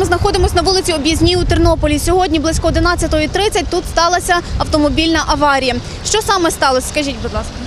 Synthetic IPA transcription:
mɪznɐxɔd̪ɪmɔsʲnɐʋulˠɪt͡sʲiɔbʲjɐzʲnʲiut̪ɪrnɔpɔlʲisʲɔɦɔdʲnʲiblˠɪsʲkɔɔd̪ɪnɑt͡sʲːɐt̪ɔɦɔit̪ɾɪt͡sʲːɐt̚ʲt̪ut̪st̪ɑlˠɐsʲɐɐwt̪ɔmɔbʲilʲnɐʔɐʋɑɾʲijɐ | ʃt͡ʃɔsɑmɛst̪ɑlˠɔsʲɐ̥skɐʒʲitʲbʊd̪lˠɑskɐ

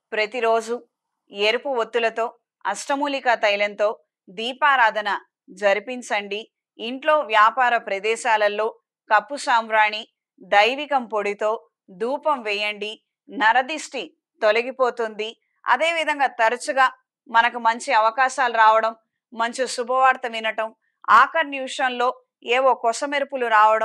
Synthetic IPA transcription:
pɾɐt̪iɾo̞ːd͡ʒu | eɾupuʋot̪ːulɐt̪o̞ː | ɐsʈɐmuːlikat̪ɐjlɐnt̪o̞ː | d̪iːpaːɾaːd̪ʱɐnɐ | d͡ʒɐɾipiɲt͡ʃɐɳɖiː | ɳʈlo̞ːʋjaːpaːɾɐpɾɐd̪ɛːʃaːlɐlːo̞ː | kɐpːusaːmɾaːɳi | d̪ɐjʋikɐmpoɽit̪o̞ː | d̪uːpɐmʋɛjɐɳɖi | nɐɾɐd̪isʈi | t̪olɐɡipoːt̪und̪i | ɐ̰d̪e̞ːʋid̪ʱɐŋɡaːt̪ɐɾɐt͡ʃuɡaː | mɐnɐkumɐɲt͡ʃiɐʋɐkaːʃaːluɾaːʋɐɽɐmː | ɐɲt͡ʃusubʱɐʋaːɾt̪ɐʋinɐʈɐm | aːkɐɾnjuːʂɐnlo̞ː | eːʋoːkɔsɐmeɾupuluɾaːʋɐɽɐ

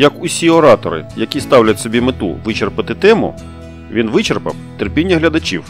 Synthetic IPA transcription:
jɐkʊsʲiɔɾɑt̪ɔɾɪ̰jɐkʲist̪ɑwlʲɐtʲsɔbʲimɪt̪ṵʋɪt͡ʃerpɐt̪ɪt̪ɛmʊ̰ | ʋʲinʋɪt͡ʃerpɐ̰wt̪erpʲinʲːɐɦlʲɐd̪ɐt͡ʃʲiw

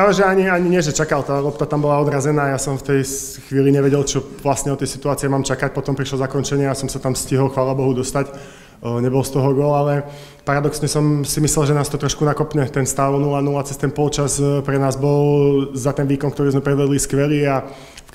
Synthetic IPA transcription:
pɾaːʋɛʒɛaɲiaɲiɲɪɛʒɛt͡ʃakalt̪aːlɔpt̪at̪ambɔlaɔd̪ɾazɛnaːjasɔmft̪ɛj | xʋiːliɲɛʋɛɟɛlt͡ʃɔʋlasɲɛɔt̪ɛjsi̥t̪uaːt͡siɛmaːmt͡ʃakac̚pɔt̪ɔmpɾiʃlɔzakɔnt͡ʃɛɲɪaasɔmsat̪amsciɦɔlxʋaːlabɔɦud̪ɔst̪ac | ɲɛbɔlst̪ɔɦɔɡɔlalɛ | paɾad̪ɔksɲɛsɔmsimislɛlˠʒɛnaːst̪ɔt̪ɾɔʃkunakɔpɲɛt̪ɛnst̪aʊnulanulat͡sɛst̪ɛnpɔlt͡ʃazpɾɛnaːzbɔlzat̪ɛnʋiːkɔnkt̪ɔɾiːzmɛpɾɛd̪ʋɛd̪liskʋɛliːa

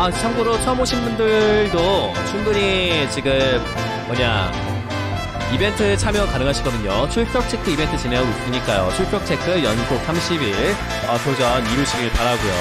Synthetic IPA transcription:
at͡ɕʰamɡuɾot͡ɕʰʌmoɕʰimbundɯɭdo | t͡ɕʰunduɲit͡ɕiɡɯmː | ʌɲa | ibe̞ntʰɯt͡ɕʰamjʌkanɯŋɦaɕʰiɡʌdɯɲot͡ɕʰuɭpʰjʌk̚t͡ɕʰe̞k͈ʰɯibe̞ntʰɯt͡ɕineʌɡuik͈ɯɲik͈ajot͡ɕʰuɭpʰjʌk̚t͡ɕʰe̞kʰɯjʌnsʰok̚sʰamɕʰibiɭ | ʌsʰod͡ʑʌniɾuɕʰiɡɯɭpaɾaɡojo̰

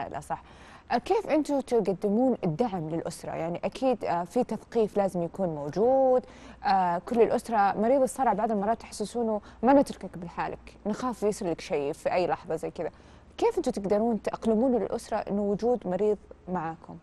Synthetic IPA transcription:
lʔa̰sˤɑħ | keːfʔɪnt̪ʊt̪ɪɡad̪ːɪmuːnɪd̪ːaʕmlɪlʔʊsɾˤɑ̰jaʕniʔakʰiːd̪fit̪aθqiːflaːzɪmjakuːnmowd͡ʒuːd̪ | ʔakʊlːɪlʔʊsɾˤɑmɑɾiːðˤɨsˤːɑɾˤɑʕbaʕd̪ɪlmɑrˤːɑːt̪ːaħḁsːɪsuːnʊ | manɪt̪ɾʊkakbɪlħaːlʔɪ̰knɪxaːfjɪsɪɾlakʃajfiʔajːlɑħðˤɑzajːkɪd̪a | keːfɪnt̪ʊmt̪ɪɡd̪ɑɾˤuːnt̪ʔɑqlɪmuːnlɪ̰lʔʊsɾˤɑʔɪ̰nːʊwʊd͡ʒuːd̪mɑɾiːðˤmaʕaːkʰʊ̰m

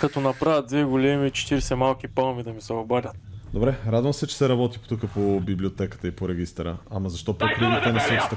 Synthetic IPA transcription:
kɐt̪onɐpɾavʲət̪̚d̪vɛɡolɛmit͡ʃɛ̥t̪iɾɛsɛmalˠk̟ipalˠmid̪ɐmisɛɐbaɾʲət̪d̪obɾɛɾad̪vɐmsɛt͡ʃɛ̥sɛɾɐbɔt̪i̥po̥t̪ukəpobiblʲiot̪ɛkə̥t̪əipoɾɛɡ̟ist̪ɾə̰amɐzɐʃt̪ɔpokɾivlit̪ɛnɐsɛt̪i̥t̪

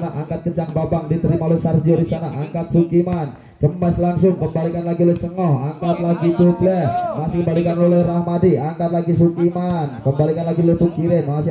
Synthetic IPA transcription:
naʔaŋkat̪̚kət͡ʃaŋbabaŋdit̪əɾimalohsard͡ʒioɾisanaʔaŋkat̪̚sukiman | t͡ʃəmaslaŋsʊŋkəmbalikanlaɡiloht͡ʃəŋɔhaŋkat̪̚laɡit̪uklɛhmasɪhkəmbalikanlolɛrahmadiaŋkat̪̚laɡisukimankəmbalikanlaɡilɛht̪ukiɾɪnmasɪ

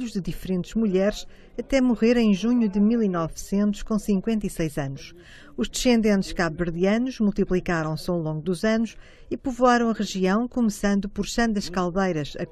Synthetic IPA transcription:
uʒd̪ɨðifɾẽnt̪ʒ̥muʎɛɾʃ | ɐt̪ɛmuʁeɾẽj̃ʒuɲuðɨmilˠinɔvsẽnt̪u̥ʃkõsĩŋkwẽnt̪ɐisɐjzɐnuʃ | uʒd̪ɨʃẽnd̪ẽnt̪ʃkaββɨɾðiɐnuʃmulˠt̪iplˠikaɾɐ̃w̃sawlˠõŋɡud̪uzɐnuʃ | ipuvuaɾɐ̃w̃ɐʁɨʒiɐ̃w̃kumɨsɐ̃nd̪upɔɾʃɐ̃nd̪ɐʃkalˠβɐjɾɐʃɐ̰

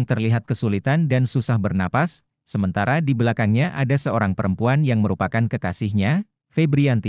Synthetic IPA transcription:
ŋt̪ərliɦat̪̚kəsulit̪andansusahbərnapasː | əmənt̪aɾadibəlakaŋɲaʔadasəoɾaŋpəɾəmpuanjaŋməɾupakankəkasɪhɲa | febɾiant̪i

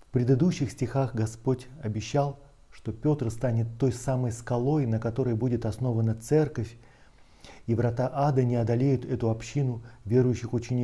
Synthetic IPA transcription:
fpɾʲɪd̪ɨd̪uɕːɪxsʲtʲɪxaxɡɐspo̞tʲɐbʲɪɕːalˠ | ʂt̪o̞pʲo̞t̪rst̪anʲɪt̪ːo̞jsaməjskɐlˠo̞jnəkɐt̪o̞ɾəjbudʲɪt̪ɐsno̞vənːət̪sɛrkəfʲ | ivɾɐt̪aʔad̪ənʲɪɐd̪ɐlʲejʊt̪ɛt̪ʊɐpɕːinʊvʲe̞ɾʊjʏɕːɪxʊt͡ɕɪnʲɪ

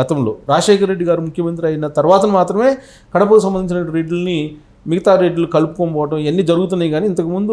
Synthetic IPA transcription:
ɐt̪ɐmlo̞̰ːɾaːʂeːkɐɾːe̞ɖːiɡaːɾimukʰjɐmɐnt̪ɾiɐjɐnɐt̪ɐɾʋaːt̪ɐmaːt̪ɾɐme̞ː | kɐɽɐpɐkus̬ɐmbɐnd̪iɲt͡ʃinɐʈɾeɖlni | miɡɐt̪aːɾːeɖulukɐlupukompɔːʋɐʈɐ̃menːid͡ʒɐɾuɡut̪unːaːjiɡaːniːnt̪ɐkumund̪u

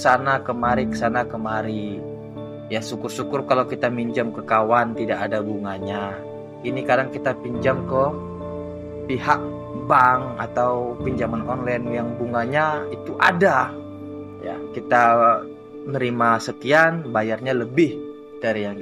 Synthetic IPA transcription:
əsanakəmaɾikəsanakəmaɾi | jasukʊrsukʊrkalawkit̪amiɲd͡ʒamkəkawant̪idakadaɡuŋaɲa | inikadaŋkit̪apiɲd͡ʒamkə | piɦaʔ̚ | baŋa̰t̪awpiɲd͡ʒamanɔnlanjaŋbuŋaɲait̪uʔa̰da | ja̰kit̪a | nəɾimasəkianbajarɲaləbɪh | daɾijaŋ

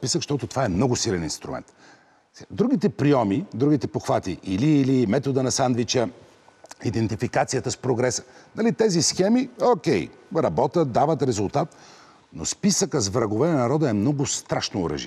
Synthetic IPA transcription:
pisəkʃt̪ɔt̪ʊt̪o̥vaɛmnɔɡʊsilɛnḭ̃nst̪ɾṵmɛ̰nt̪ | ad̪ɾuɡ̟it̪ɛpɾiɔmid̪ɾuɡit̪ɛpoxvat̪iʔiliːlimɛt̪od̪ənɐsand̪vit͡ʃə | id̪ɛnt̪ifikat̪sijət̪əspɾoɡɾɛsə̥nɐlit̪ɛzisxɛmiokʲɛjɾɐbɔt̪ət̪̚d̪avət̪ɾɛzʊlˠt̪at̪ | nospisəkəzvɾɐɡovɛnɐnɐɾɔd̪əɛmnɔɡʊst̪ɾaʃnoːɾə̰ʒḭ

